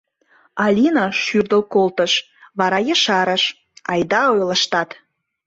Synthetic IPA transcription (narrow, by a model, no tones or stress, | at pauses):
ɑlʲinɑʃyrd̪əlkolt̪əʃ | βɑɾɑjəʃɑɾə̆ʃ | ɑjd̪ɑojlə̆ʃt̪ɑt̪